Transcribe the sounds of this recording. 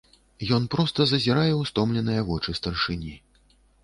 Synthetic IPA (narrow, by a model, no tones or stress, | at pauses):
jɔn̪pɾɔst̪ɐzɐzʲiɾajɛwst̪ɔmlʲɛnɨjɐvɔt͡ʂɨst̪ɐrʂɨnʲi